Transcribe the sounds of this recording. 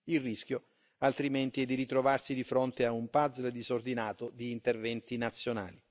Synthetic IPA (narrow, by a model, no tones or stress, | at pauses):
ilrːisk̟jo | alt̪ɾiment̪iɛd̪ːiɾit̪ɾovarsid̪ifɾont̪eaumpad̪zld̪izord̪inaːt̪od̪iːnt̪ervɛnt̪inat̪sːjona̰ːli